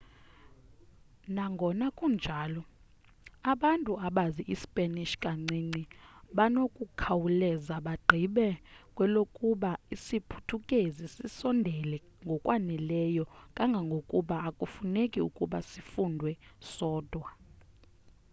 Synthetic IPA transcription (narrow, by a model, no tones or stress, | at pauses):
naŋɡʱɔnakʼund͡ʒʱaːlɔ | aɓantʼuaɓaziʔisi̥pʼeniʃkʼaŋ͡ǀiːŋ͡ǀiɓanokʼukʰawulɛzaɓaɡ͡ǃʱiɓɛkʼwɛlokʼuɓaisipʰu̥tʰukʼezisisɔndʱɛlɛ | ŋɡʱɔkʼwanɛlɛjɔkʼaŋɡʱaŋɡʱokʼuɓaːkʼufunekʼiṵkʼuɓasifundʱwɛsɔːd̥ʱwa